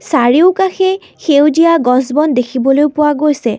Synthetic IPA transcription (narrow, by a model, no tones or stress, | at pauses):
saɹiʊkaxɛ | xewzijaɡɔzbɔndekʰibɔlojpʊwaɡojsɛ